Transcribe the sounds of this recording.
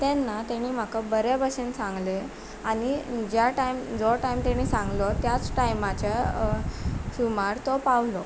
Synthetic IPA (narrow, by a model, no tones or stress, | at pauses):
t̪anːat̪aɽ̃iːm̤akabəɾjabəɕensãŋɡle | aɽ̃id͡ʑjaʈajmd͡zɔʈajmt̪ɛɽ̃iːsãŋɡlɔt̪jat͡sʈajmat͡ɕa | fumaɾt̪ɔpawlɔ